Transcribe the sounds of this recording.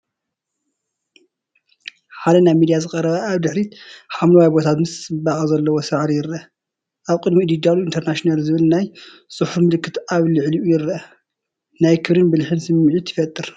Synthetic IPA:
ħad̪ɐnajmid̪ijazɨkʼɐɾɐβɐʔaβd̪ɨħɾiħamlɐwajbo̞t̪ʰat̪mɨsɨbaχʼɐzɐlːɐwosɨʕɾijɪɾɐ | ʔaβkʼɨd̪mid̪id̪aluint̪ʰeɾnaʃinalzɨβɨlnaj | sʼɨħufmɨlɨkʰːɨt̪aβlɨʕliʔujɪɾɐ | najkʰɨβɾɨnbɨlħɨnsɨmːʕit̪ʰːɨ̥fɐt̪ʼːɨɾ

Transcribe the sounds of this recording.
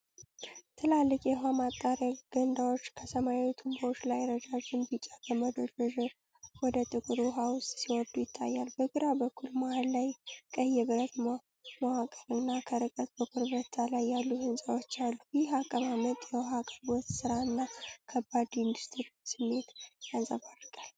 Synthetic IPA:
t̪ʰɨlalːɨkʼjɛɦamat̪ʼːaɾjaɡ̥ənd̪awo̞t͡ʃːkʰəsəmajawit̪ʰumboot͡ʃːlajɾəd͡ʒad͡ʒɪmbit͡ʃʼːaɡəməd̪od̪ɔʒɛ | wɔd̪ət̪ʼɨkʼɨɾɦawʊst̪ʼsiwɔd̪ujɪt̪ʰːa̰jːalbəɡɨɾabəkʰːulmahalːajkʼəjɛβɨɾət̪m | mawakʼəɾɨnːakʰəɾɨkʼət̪̚bəkʰʊɾβɾət̪ʰːalajːalːuhɨnsʼawot͡ʃːalːubjɪɦakʼəmamət̪ʼjɛwɦakʼəbɔt̪sɨɾaɨnːakʰəbːad̪ɪnd̪ust̪ʰɨɾsɨmːe̞t̪jazə̰βarkʼal

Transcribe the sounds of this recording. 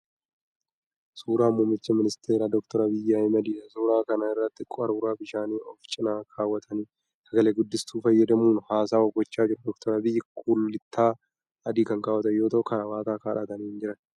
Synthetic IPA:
suːɾaːmumːɪt͡ʃːɐmɪnɪst̪ʰeːɾaːd̪ɔkt̪ɔɾɐbɪjːaːɪmɐd̪iːᶑɐsuːɾaːkɐnaɪrːɐt̪ːɪkʼɐɾuɾaːbɪʃaːniːɔft͡ʃʼɪnaːkʰaːwːɐt̪ʰɐniː | sɐɡɐleːɡʊd̪ːɪst̪uːfɐjːɐd̪ɐmuːnhaːsaːɔɡɔt͡ʃːaːd͡ʒɪɾɐd̪ɔkt̪ɔɾɐbɪjːɐkʰulːɪt̪ʰːaː | ɐd̪iːkɐŋkaːwɐt̪ɐjo̞ːt̪ɐʔʊkɐnɐwaːk̪aːkaːᶑɐt̪ɐniːnd͡ʒɪɾɐn

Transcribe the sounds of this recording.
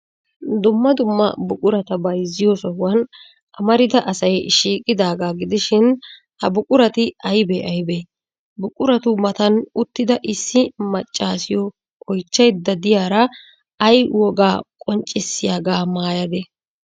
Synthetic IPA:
d̪ʊmːɐd̪ʊmːɐ̰bʊkʼʊɾɐt̪ɐbɐjzːɪjosɔhʊwɐn | ʔɐmɐɾɪd̪ɐʔɐsɐjʃiːkʼːɪd̪aːɡaːɡɪd̪ɪʃɪn | hɐbʊkʼʊɾɐt̪ɪɐjbeʔɐjbe | bʊkʼʊɾɐt̪ʊmɐt̪ɐnʊt̪ːɪd̪ɐʔɪsːɪmɐt͡ʃʼːaːsɪjɔ | kɔjt͡ʃːɐjd̪ːɐd̪ɪjaːɾɐ | ɐjwɔɡaːkʼɔnt͡ʃʼːɪsːɪjaːɡaːmaːjɐd̪ɛ

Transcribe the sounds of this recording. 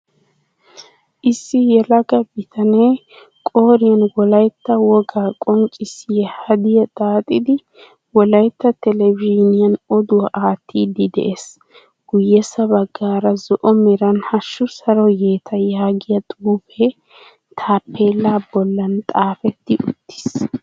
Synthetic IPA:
ʔɪsːɪjɛlɐɡɐbɪt̪ʰɐneː | kʼoːɾɪjɐnwɔlɐjt̪ːɐwɔɡaːkʼɔŋkʼːɪsɪjɛhɐd̪ɪjɐt̪ʼaːt̪ʼɪd̪ɪ | wɔlɐjt̪ːɐt̪ɛlɛviːnɪjɐnɔd̪ʊwɐʔaːt̪ːiːd̪ɪd̪ɛ̰ʔes | ɡ̥ʊjːɛsɐbɐɡːaːɾɐzɔʔɔmɛɾɐnhɐʃːʊsɐɾɔje̞ːt̪ʰɐjaːɡɪjɐt̪ʼuːfɛ | t̪ʰaːpːe̞ːlːaːbɔlːɐnt̪ʼaːfɛt̪ːɪʔʊt̪ːɪ̥s

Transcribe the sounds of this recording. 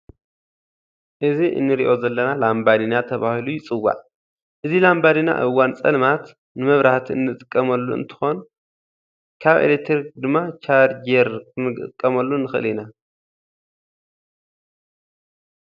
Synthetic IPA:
ʔɨziʔɨ̰nːɨɾḭʔo̞zɐlːɐnalambad̪inat̪ʰɐβahilujɪt͡sʼɨwːa̰ʕ | ʔɨzilambadina̰ʔɨwːant͡sʼɐ̰nmat̪ | nɨmɐβɾaht̪ʰiɨ̰nːɨt̪ʼɨkʼːɐmɐlːuɨ̰nt̪ʰɨ̥xo̞n | kʰaβḛlet̪ʰɾd̪ɨmːat͡ʃʰaɾd͡ʒeɾkʰɨnɨɡt̪ɨkʼːɐmɐlːunɨxɨʔɨ̰lina

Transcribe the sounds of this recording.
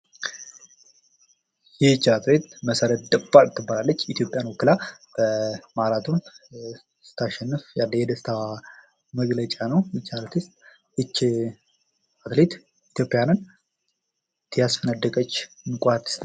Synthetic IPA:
jɛt͡ʃːaat̪ʰlet̪məsəɾət̪d̪ɨbaɾt̪ʰːɨbːalalːət͡ʃːit̪jo̞pʼjanwɔkːɨlab̥əmaɾat̪ʰun | sɨ̥t̪ʰːaʃɛnːɨfjalːəjɛd̪əst̪ʰa | məɡlət͡ʃʼanəwɪt͡ʃːaɾət̪ʰɨst̪ʼ | ʔɨt͡ʃː | at̪let̪ | it̪ʰjo̞pʼːjanɨn | t̪ʰjasfənəd̪ːəkʼət͡ʃː | nɨkʼat̪ʰs

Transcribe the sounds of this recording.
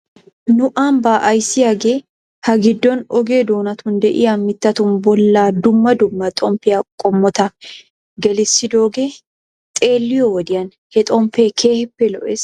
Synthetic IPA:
nʊʔɐmbaːʔɐjsːɪjaɡe | hɐɡɪd̪ːɔnɔɡe̞ːd̪oːnɐt̪ʊnd̪ɛʔɪ̰jamɪt̪ːɐt̪ʊnbɔlːaːd̪ʊmːɐd̪ʊmːɐt̪ʼɔmpːɪjɐkʼɔmːɔt̪ɐ | ɡɛlɪsːɪd̪o̞ːɡe | t̪ʼe̞ːlːɪjɔwɔd̪ɪjɐn | hɛt̪ʼɔmpːekʰe̞ːhɪpːɛlɔ̰ʔeːs

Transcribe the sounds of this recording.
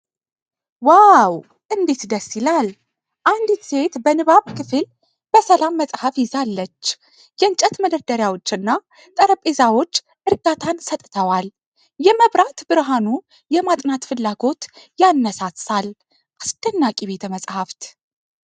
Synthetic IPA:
waw | ʔɨnd̪e̞t̪d̪əsːilal | ʔand̪ɨse̞t̪bənɨβaβkʰɨfɨl | b̥əsəlamːəsʼhəfjɪzalːət͡ʃː | jɛɨnt͡ʃʼət̪məd̪əɾd̪əɾjawo̞t͡ʃːɨnːa | t̪ʼəɾəpʼezawo̞t͡ʃː | ʔɨɾɡat̪ʰansət̪ʼt̪ʰəwal | jɛməβɾat̪bɨɾɦanu | jɛmat̪ʼnat̪fɨlːaɡo̞t̪janːəsasal | ʔasdənːakʼiβe̞t̪ʰəməsʼhaft̪ʰ

